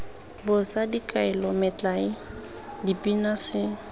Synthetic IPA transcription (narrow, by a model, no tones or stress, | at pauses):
bʊsadikʼaɪlɔmɪt͡ɬʼaɪ | dipʼinasɪ